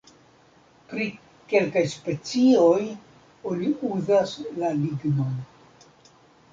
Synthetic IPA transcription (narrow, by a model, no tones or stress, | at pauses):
pɾi | ke̞lkajspe̞t͡sio̞j | oniuzaslaliɡno̞n